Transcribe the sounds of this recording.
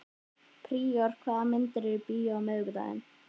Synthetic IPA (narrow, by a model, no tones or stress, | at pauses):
pʰɾiːɔɾ̥kʰvaːðamɪnt̪ɪɾɪɾpiːamœːɣʏða̰ðɪ̰n